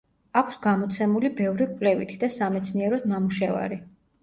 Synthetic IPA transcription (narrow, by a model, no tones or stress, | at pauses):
akʰsɡamɔt̪sʰɛmulibɛvɾikʼvlɛvit̪ʰid̪asamɛt̪sʰniɛɾɔd̪namuʃɛva̰ɾi